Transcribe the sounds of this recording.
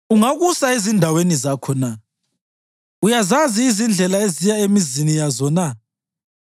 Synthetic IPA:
uŋaɣusaezindʱawenizakʰɔna | ujazaziːzind͡ɮʱɛlaezijaemizinijazɔna

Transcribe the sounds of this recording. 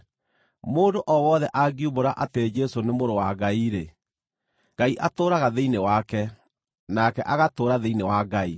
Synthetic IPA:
moːndoʔɔwɔðɛʔaɡiuβoɾaʔated͡ʒɛsonemoɾowaɡaiɾe | ɡaiʔatoːɾaɣaðeinewakɛ | nakɛʔaɣatoːɾaðeinewaɡai

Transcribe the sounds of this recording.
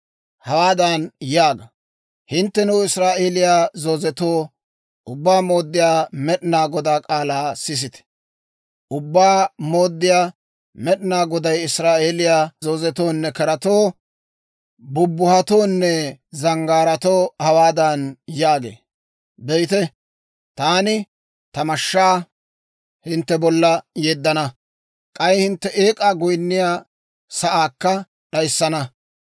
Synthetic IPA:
hɐwaːd̪ɐnjaːɡɐ | hɪnt̪ːɛnʊɪsɾaːʔe̞ːlɪjazoːzɛt̪oː | ʔʊbːaːmo̞ːd̪ːɪjaːmɛɗɪnaːɡɔd̪aːkʼaːlaːsɪs̬ɪt̪ɛ̥ | ʔʊbːaːmo̞ːd̪ːɪjaː | mɛɗɪnaːɡɔd̪ɐjɪsɾaːʔe̞ːlɪjaːzoːzɛt̪oːnːɛkɐɾɐt̪oː | bʊbːʊhɐt̪oːnːɛzɐŋɡaːɾɐt̪o̞ːhɐwaːd̪ɐnjaːɡḛː | bejt̪ɛ | t̪aːnɪ | t̪ɐmɐʃːaː | hɪnt̪ːɛbɔlːɐjeːd̪ːɐnɐ | kʼɐjhɪnt̪ːɛʔeːkʼaːɡʊjnːɪjaː | sɐʔaːkːɐ | ɗɐjsːɐnɐ

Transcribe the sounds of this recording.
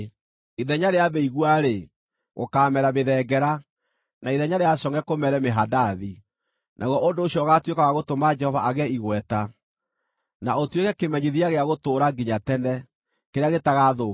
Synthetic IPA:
iðɛɲaɾeabɛiɣwaɾe | ɣo̰kaːmɛɾameðɛːɡɛɾa | naiðɛɲaɾeasɔŋɛkomɛɾɛmeɦadaði | nʔa̰ɣwɔʔondoːɕiɔɣatwekawaɣotomad͡ʒɛhɔvaʔaɣɛiɣwɛta | naotwekɛkemɛɲiðiaɣeaɣotoːɾaɡiɲatɛnɛ | keɾeaɣetaɣaðo

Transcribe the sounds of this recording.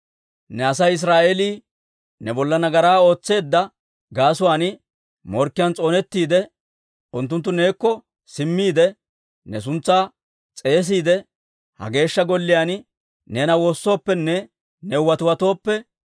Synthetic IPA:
nɛɐsɐjɪs̬ɾaːʔeliː | nɛbɔlːɐnɐɡɐɾaːo̞ːt͡sːe̞ːd̪ːɐ | ɡaːsʊwaːnɪ | mɔɾkːɪjant͡sʼo̞ːnɛt̪ːiːd̪ɛ | ʔʊnt̪̬ːʊnt̪ːʊne̞ːkːɔ | sɪmːiːd̪ɛ | nɛs̬ʊnt͡sːaː | t͡sʼe̞ːs̬iːd̪ɛ | hɐ̰ɡe̞ːʃːɐɡɔlːɪjaːn | neːnɐwo̞ːsːo̞ːpːɛnːɛ | nɛʊwɐt̪ʊwɐt̪o̞ːpːɛ

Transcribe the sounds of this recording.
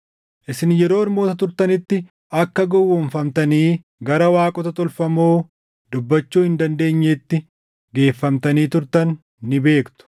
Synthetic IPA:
ʔɪsɪnjɛɾoːɪɾmo̞ːt̪ɐt̪ʊɾt̪ɐnɪt̪ːɪ | ɐkːɐɡɔwːɔɱfɐmt̪ɐniː | ɡɐɾɐwaːkʼɔt̪ɐt̪ʼɔlfɐmoː | d̪ʊbːɐt͡ʃːuːhɪnd̪ɐnd̪e̞ːɲːeːt̪ːɪ | ɡe̞ːfːɐmt̪ɐniːt̪ʊɾt̪ɐnː | ɪbe̞ːkt̪ʊ̥

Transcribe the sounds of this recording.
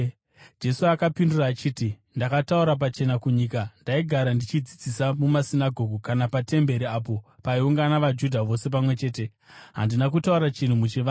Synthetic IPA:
d͡ʒe̞suakapinduraːt͡ʃiːti | ndakatauɾap̬at͡ʃe̞nakuɲikandaiɡʱaɾandit͡ʃid͡zid͡zisamumasinaɡʱo̞ɡʱukanapate̞mbe̞ɾiaːp̬o̞paiuŋɡanaʋad͡ʒudʱaʋo̞se̞p̬amwe̞t͡ʃe̞ːte̞ | ɦa̰ndinakutauɾat͡ʃin̤umut͡ʃiʋa

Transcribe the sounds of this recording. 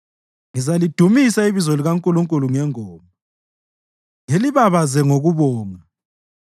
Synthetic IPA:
ŋizalid̥ʱumisaiβizoliɣaŋkʼuluŋkʼuluŋɛŋɔːmɔ | ŋeliβaβazɛŋoɣuβɔːŋa

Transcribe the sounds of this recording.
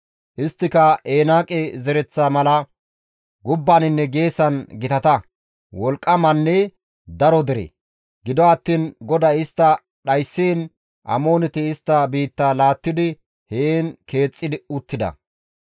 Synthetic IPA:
ʔɪst̪ːɪkɐe̞ːnaːkʼɛzɛɾɛt͡sːaːmɐlɐ | ɡʊbːanɪnːɛɡe̞ːsɐnɡɪt̪ɐt̪ɐ | wɔlkʼːɐmɐnːɛ | d̪ɐɾɔd̪ɛɾḛː | ɡɪd̪ɔɐt̪ːiːnɡɔd̪ɐɪst̪ːɐ | ɗɐjsːeːn | ʔɐ̰mo̞ːnɛt̪ɪːst̪ːɐbiːt̪ːaːlaːt̪ːɪd̪ɪ | heːnke̞ːt͡sʼːɪd̪ɪʊt̪ːɪd̪ɐ̰

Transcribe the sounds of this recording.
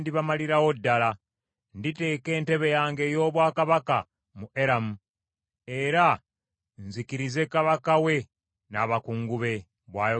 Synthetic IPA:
ndiβamaliɾawo̞dːala | ndite̞ːke̞ːnte̞βe̞jaːŋɡe̞ːjo̞ːβwaːkaβaka | muʔe̞ɾamu | e̞ɾa | nzikiɾize̞kaβakawe̞ | naːβakuːŋɡuβe̞ | βwaːjo

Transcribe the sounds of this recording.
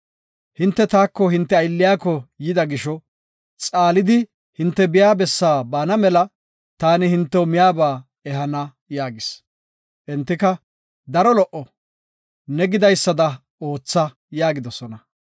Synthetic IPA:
hɪnt̪ːɛt̪aːkːɔɦɪnt̪ːɛɐjlːɪjaːkːɔjɪd̪ɐɡɪʃɔ | t͡sʼaːlɪd̪ɪ | hɪnt̪ːɛbɪjaːbɛsːaːbaːnɐmɛlɐ | t̪aːnɪhɪnt̪ːɛwmɪjaːbaː | ɛɦɐnɐ | jaːɡɪs | ʔɪnt̪ːɪkɐ | d̪ɐɾɔlɔʔɔ | nɛɡɪd̪ɐjsːɐd̪ɐ | o̞ːt͡sːɐ | jaːɡɪd̪ɔsɔnɐ

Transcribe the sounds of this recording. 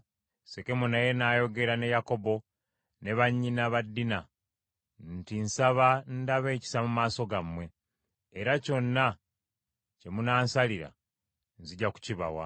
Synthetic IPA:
seke̞munaje̞naːjo̞ɡe̞ɾane̞jako̞bo̞ | ne̞βaɲːinaβadːina | ntinsaβandaβe̞ːci̥samumaːso̞ɡamwe̞ː | ɾaco̞nːa | ce̞munaːnsaliɾa̰ | nziɟaku̥ciβa̰wa̰

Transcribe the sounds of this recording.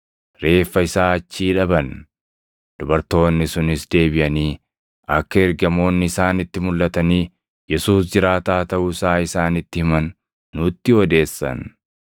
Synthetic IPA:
ɾe̞ːfːɐɪsaːɐt͡ʃːiːᶑɐbɐn | d̪̥ʊbɐɾt̪o̞ːnːɪsʊnɪsd̪e̞ːbɪʔɐniː | ʔɐkːɐɛɾɡɐmo̞ːnːɪɪsaːnɪt̪ːɪmʊlːʔɐt̪ɐniː | jɛsuːsd͡ʒɪɾaːt̪aːt̪ɐʔuɪsaːɪsaːnɪt̪ːɪhɪmɐnː | ʊt̪ːɪɔd̪e̞ːsːɐ̰n

